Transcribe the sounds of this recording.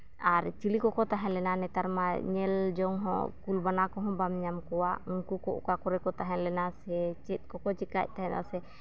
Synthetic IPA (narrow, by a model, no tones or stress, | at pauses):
aɾt͡ʃilikɔkɔt̪aɦɛ̃lɛnanɛt̪aɾmaɲɛld͡ʒɔŋɦɔ̰̃kulbanakɔɦɔ̃bamɲamkɔwaʔuŋkukɔʔɔ̰kakɔɾɛkɔt̪aɦɛ̃nlɛnasɛt͡ʃɛt̪̚ˀkɔkɔt͡ʃɛka̰c̚ˀt̪aɦɛ̃t̪a̰sɛ